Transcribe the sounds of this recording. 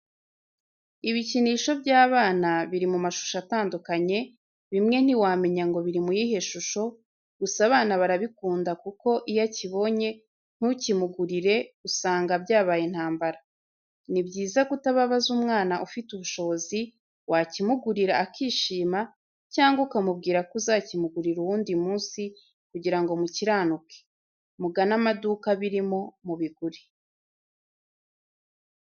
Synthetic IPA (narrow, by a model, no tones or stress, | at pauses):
iβiciniʃo̞bjaːβaːnaβiɾimumaʃu̥ʃataːndukaɲe̞ | βimŋe̞n̥iwame̞ɲaŋɡo̞βiɾimujiɦe̞ʃuʃo̞ | ɡ̥usaβaːnaβaɾaβikuːndakuko̞ʔijaciβo̞ɲe̞ | n̥hucimuɡuɾiɾe̞usaːŋɡabjaːβajen̥haːmbaɾa | nibɟiːzaɡutaβaβazumŋaːnaʔufituβuʃo̞βo̞zi | wacimuɡuɾiɾaːkʰiːʃiːma | caːŋɡaukamub̚ɡiːɾakuzacimuɡuɾiɾuwuːndimuːnsi | kuɟiɾaŋɡo̞muciɾaːnukʰe̥ | muɡanamadukaβiɾimo̞muβiɡuɾi